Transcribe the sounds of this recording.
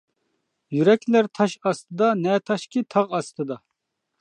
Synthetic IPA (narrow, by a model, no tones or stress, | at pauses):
jyɾɛkʲʰlæɾt̪ʰɑʃɑst̪ɨd̪ɑnɛt̪ʰɑʃkʲit̪ʰɑʁɑst̪ʰɨd̪ɑ